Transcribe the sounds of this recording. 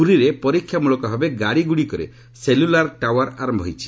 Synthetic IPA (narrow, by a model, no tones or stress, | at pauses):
uɾiɾepɔɾikʰːjamuɭɔkɔɦebeɡaɽiɡuɽikɔɾḛ | selulaɾʈawaɾaɾɔmbʱɔɦjt͡ʃʰi̥